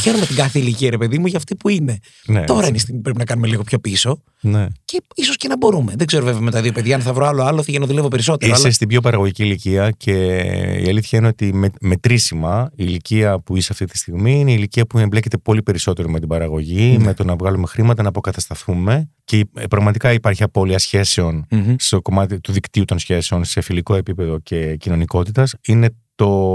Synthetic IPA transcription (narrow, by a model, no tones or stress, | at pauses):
çe̞ɾome̞t̪iɡɐθeiliciɐɾe̞pe̞ðimuʝɐːft̪ipuine̞ | net̪o̞ɾɐineisimipɾepinɐkɐnume̞liɣo̞pço̞piso̞ | nece̞iso̞sce̞nɐbo̞ɾume̞ðeɡze̞ɾovevemet̪ɐðio̞pe̞ðʝɐɐnθɐvɾoɐloɐloθiʝɐnɐðulevo̞pe̞ɾis̬o̞t̪eioɐsest̪ibço̞p̬ɐɾɐɣoʝiciːliciɐcʰe̞ḭɐliθçɐineot̪imeme̞t̪ɾisimɐiːliciɐpuiseɐft̪it̪i̥st̪iɣmiineiliciɐpuemble̞ce̞t̪e̞po̞lipe̞ɾiso̞t̪e̞ɾomet̪ibɐɾɐɣo̞ʝimet̪onɐvɣɐlume̞xɾimɐt̪ɐnɐpo̞kɐt̪ɐst̪ɐθume̞cepɾɐɣmɐt̪ikɐipɐɾçiɐpo̞liɐsçe̞se̞o̞nst̪o̞ko̞mɐt̪it̪uðikt̪iut̪o̞nsçe̞se̞o̞nse̞filiko̞e̞pipe̞ðo̞ce̞cino̞niko̞t̪it̪ɐsine̞t̪o̞